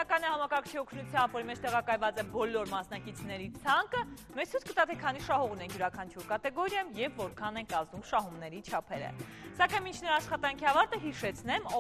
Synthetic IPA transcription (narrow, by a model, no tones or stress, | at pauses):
kɑnɛhɑmɑkɑɾkʰt͡ʃʰiɔkʰnut͡sʰjɑmbvɔɾimɛt͡ʃʰt̪ɛʁɑkɑjvɑt͡sɛbɔlːɔɾmɑsnɑkit͡sʰn̪ɛɾit͡sʰɑŋkəmɛt͡sʰut͡skət̪ɑt̪ʰɛkʰɑniʃɑɦɔʁunɛŋkʰjuɾɑkʰɑnt͡ʃʰuɾkɑt̪ɛɡɔɾjɑjumjɛvːɔɾkʰɑnɛŋkɑznumʃɑɦumnɛɾit͡ʃʰɑpʰɛɾə̰sɑkɑjnmint͡ʃʰnəɾɑːʃχɑt̪ɑŋkʰiɑvɑɾt̪əɦiʃɛt͡sʰnɛmɔ